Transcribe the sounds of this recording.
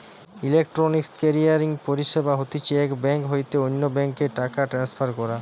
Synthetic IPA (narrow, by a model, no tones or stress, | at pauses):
ilek̚ʈɾonikkeɾiaɾiŋpoɾiʃebaɦot̪it͡ɕʰeɛkbɛŋkɦojt̪eonːobɛŋkeɾʈakaʈɾansfʰaɾkɔɾa